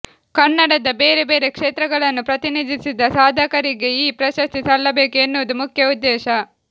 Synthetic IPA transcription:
kɐnːɐɽɐd̪ɐbeːɾebe̞ːɾe̞kʂeːt̪ɾɐɡɐɭɐnːupɾɐt̪inid̪isid̪ɐsaːd̪ʱɐkɐɾiɡeiːpɾɐʃɐst̪isɐɭːɐbe̞ːkuenːuʋɐd̪umukʰjɐud̪ːɛːʃɐ

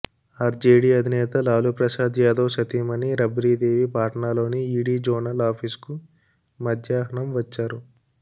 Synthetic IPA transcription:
aːɾd͡ʒeːɽiːɐd̪ʱinɛːt̪ɐlaːlupɾɐʃaːd̪jaːd̪oʋʃɐt̪iːmɐniɾɐbɾiːd̪eːʋipaːʈɐɳaːlo̞ːniiːɽiːd͡ʒɔːɾnɐlaːpʰiːsku | mɐd̪ʱjaːɦɐɳɐmʋɐt͡ʃːaːɾu

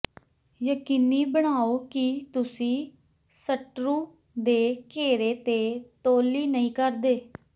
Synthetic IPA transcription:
jəkiːniːbəɽ̃aːoːkit̪ʊsĩː | səʈɾũː | d̪eːkeːɾeːt̪eːt̪oːliːnəĩːkəɾd̪eː

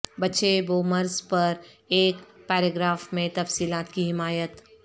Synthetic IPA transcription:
bɐtːt͡ʃeboːmɐɾzpɐɾ | eːkpɛːɾeɡɾaːfmẽt̪ɐfsiːlaːt̪kiɦɪmaːjət̪

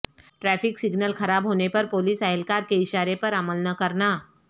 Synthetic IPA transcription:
ʈɾɛːfʰɪksɪɡnəlxʰɐɾaːbɦoːnepɐɾpoːlisɐɦɛlkaːɾkeɪʃaːɾepɐɾɐməlnɐkɐɾnaː

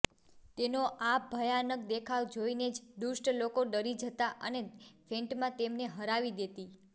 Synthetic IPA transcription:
t̪enoʔabʱəjanək̚d̪ekʰaʋd͡ʒoined͡ʒd̪usʈlokoɖəɾid͡ʒət̪aʔənefʰẽɳʈmãt̪emneɦəɾaʋid̪et̪i

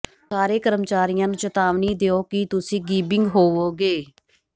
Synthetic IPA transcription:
saːɾeːkəɾəmt͡ʃaːɾɪjãːnũːt͡ʃət̪aːʋniːd̪eːoːkɪt̪ʊsĩːɡiːbɪŋɡɦoːʋoːɡeː

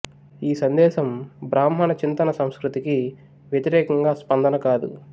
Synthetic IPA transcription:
iːsɐnd̪ɛːʃɐmbɾaːmɦɐnɐt͡ʃint̪ɐnɐsɐmskɾut̪iki | ʋjet̪iɾɛːkɐŋɡaːspɐnd̪ɐnɐkaːd̪ṵ

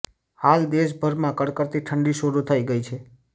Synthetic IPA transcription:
hald̪eʃ̬bʱəɾmãkəɽkəɾt̪iʈʰəɳɖiʃəɾut̪ʰəiɡəit͡ʃʰe

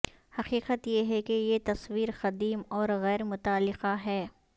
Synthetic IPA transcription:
hɐqiːqət̪jeɦɛkejet̪ɐswiːɾqɐd̪iːmɔːɾɣɛːɾmʊt̪aːlːɪqaɦɛː

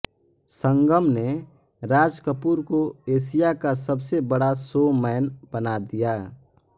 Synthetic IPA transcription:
sə̃ŋɡəmneɾaːd͡ʒkəpuːɾkoeːsijakasəbsebəɽasomɛːnbənad̪ija

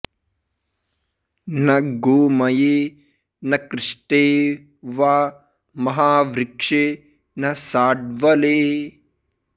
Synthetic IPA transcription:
nɐɡoːmɐjeː | nɐkɾɪʂʈeː | ʋaː | mɐɦaːʋɾɪkʂe | nɐsaːɖ̚ʋɐleː

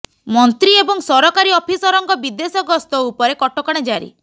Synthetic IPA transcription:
mɔnt̪ɾiebɔŋsɔɾɔkaɾiɔpʰisɔɾɔŋɡɔbid̪esɔɡɔst̪ɔupɔɾekɔʈɔkɔɽ̃ed͡ʒaɾḭ

